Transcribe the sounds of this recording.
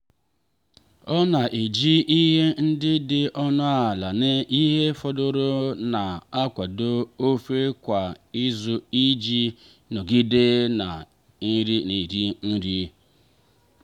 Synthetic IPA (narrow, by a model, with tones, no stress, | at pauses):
ɔ˦na˨ʔe˨d͡ʒi˦ʔi˦ɦe˦n̩˦dɪ˦dɪ˨ʔɔ˦nʊ˦a˨la˨ne˦ʔi˦ɦe˦fɔ˦dʊ˨ɾo˦na˨a˦kʷa˨do˦o˦fe˦kʷa˨i˦zu˨i˦d͡ʒi˦ | no˨ɡi˦de˦na˨˦ | ɾi˦ni˨ɾi˦n̩˦ɾi˦